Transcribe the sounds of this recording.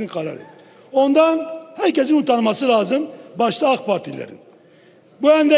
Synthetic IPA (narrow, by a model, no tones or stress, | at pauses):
inqʰɑɾa̰ɾḛi | o̞nd̪anhæɾces̬inut̪ʰaɾmɑsɯlˠaːzɯmbɑʃt̪ˠaɑkpʰaɾt̪ʰilæ̰ɾḭn | buænd̪ɛ